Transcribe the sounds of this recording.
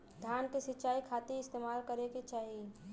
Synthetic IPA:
d̪ʱjaːnkesɪtːt͡ʃaːikʰaːt̪iɪst̪eːmaːlkəɾeket͡ʃaːɦi

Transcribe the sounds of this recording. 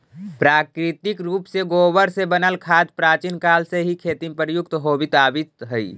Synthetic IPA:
pɾaːkɾɪt̪ɪkɾuːpseɡoːʋəɾsebənəlkʰaːd̪pɾaːt͡ʃinkaːlseɦikʰeːt̪impəɾjʊkt̪ɦoːbɪt̪aːbit̪ɦəi

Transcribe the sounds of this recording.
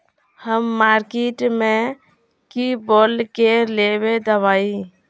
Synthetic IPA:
həmːaɾkeʈme | kibolkeleβed̪əbaːi

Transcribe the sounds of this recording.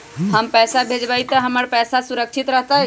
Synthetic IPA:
ɦəmpɛːsabʱed͡ʒbait̪əɦəməɾpɛːsasuɾəkt͡ʃʰit̪ɾəɦt̪a

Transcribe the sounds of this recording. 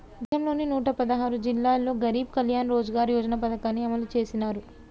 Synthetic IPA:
ud̪jɐmlo̞ːninuːʈɐpɐd̪ɐɦaːɾud͡ʒilːaːlːo̞ːɡɐɾiːb̚kɐljaːnɾo̞ːd͡ʒɐɡaːɾjɔːd͡ʒɐnɐpɐd̪ɐkaːnːiɐmɐlut͡ʃe̞ːsinaːɾu

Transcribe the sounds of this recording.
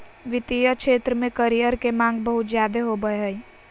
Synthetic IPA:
ʋɪt̪ijəkʃeːt̪ɾəmẽkɐɾijəɾkemãːŋɡbəɦʊt̪zjaːd̪eɦobəeɦəi

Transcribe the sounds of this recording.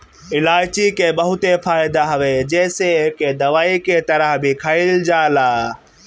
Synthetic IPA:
ɪlaːɪt͡ʃikebəɦʊt̪efʰaːɪd̪aɦəʋed͡ʒɛːseked̪əʋaːiket̪əɾəɦbʱikʰəɪld͡ʒaːlaː

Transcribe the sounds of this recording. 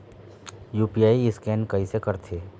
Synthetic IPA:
juːpijaːiɪskɛːnkɐisekɐɾt̪ʰeː

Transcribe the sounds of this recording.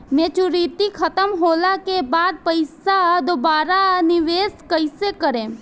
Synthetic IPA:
mẽːt͡ʃuɾit̪ikʰət̪əmɦoːlakebaːd̪̚pəɪsad̪obaːɾanɪʋeːskəɪsekəɾẽː

